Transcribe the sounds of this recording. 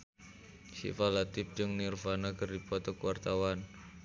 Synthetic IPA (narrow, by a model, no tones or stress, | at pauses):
ʃḭfalat̪ɪf̚d͡ʒɨŋnirfanakərdipɔt̪ɔkuwart̪awan